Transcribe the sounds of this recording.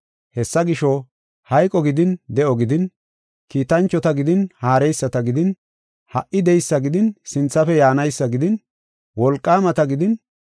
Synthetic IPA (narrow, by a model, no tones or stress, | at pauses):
hɛsːɐɡɪʃɔ | hɐjkʼɔɡɪd̪ɪnd̪ɛʔɔɡɪd̪ɪn | kiːt̪ɐnt͡ʃːɔt̪ɐɡɪd̪ɪnhaːɾɛjsːɐt̪ɐɡɪd̪ɪn | hɐʔʔɪd̪ɛjsːɐɡɪd̪ɪnsɪnt͡sːɐfɛjaːnɐjsːɐɡɪd̪ɪn | wɔlkʼːaːmɐt̪ɐɡɪd̪ɪn